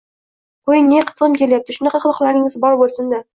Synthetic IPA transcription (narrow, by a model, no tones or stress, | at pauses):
kʰojneqʰɨ̥t̪ɨmkʲe̞ljap̚t̪ɪʃʊnɑqɑχɨlˠɨqlˠaɾɪŋɪzbɒɾbolˠsɪnd̪a